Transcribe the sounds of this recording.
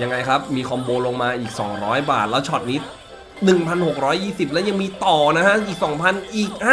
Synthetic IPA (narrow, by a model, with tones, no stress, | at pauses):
ja˧ŋːa˧jkʰɾa˦˥p̚miː˧kʰɔ˧mboː˧nlo˧ŋmaː˧ʔiː˨˩k̚sɔ̰ː˩˦ŋɾɔː˦˥jbaː˨˩t̪̚lɛː˦˥wt͡ɕʰɔ˨˩t̪̚niː˦˥t̪̚ | nɯ˨˩ŋpʰa˧nho˨˩k̚ɾɔː˦˥jːiː˥˩si˨˩p̚lɛ˦˥wja˧ŋmiː˧t̪ɔː˨˩na˦˥kʰa˦˥ʔʔiː˨˩k̚sɔː˩˦ŋpʰa˧nʔiː˨˩k̚haː˥˩